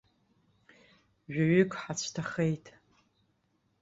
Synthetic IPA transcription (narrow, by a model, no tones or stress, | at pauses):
ʒᶣaɥʏkʼħat͡ɕʷʰtʰaχejtʰʼ